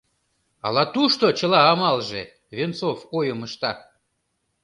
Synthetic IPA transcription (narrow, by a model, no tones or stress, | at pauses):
ɑ̰lɑt̪uʃt̪ot͡ɕəlɑːmɑlʒḛ | βent͡sofojəməʃt̪ɑ